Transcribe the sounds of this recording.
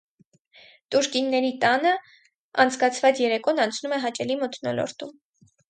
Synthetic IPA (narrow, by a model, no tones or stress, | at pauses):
t̪uɾkinːɛɾit̪ɑnə | ɑ̰nt͡sʰkɑt͡sʰvɑt͡sjɛɾɛkɔnɑnt͡sʰnumɛɦɑt͡ʃɛlimət̪ʰnɔ̰lɔ̰ɾt̪um